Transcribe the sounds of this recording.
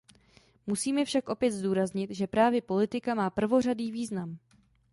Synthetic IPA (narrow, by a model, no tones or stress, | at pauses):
musiːmɛfʃakʔo̞pjɛt̪zduːɾazɲɪt̪ʒɛpɾaːvjɛpo̞lɪt̪ɪkamaːpr̩vo̞r̝adiːviːznam